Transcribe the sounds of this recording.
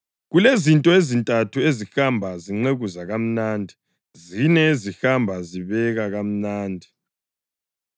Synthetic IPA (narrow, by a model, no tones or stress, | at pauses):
ɣulezintʼɔezintʼatʰuezixambʱaziŋ͡ǀeɣuzaɣam̩naːndʱi | zinɛezixambʱaziβɛɣaɣam̩naːndʱi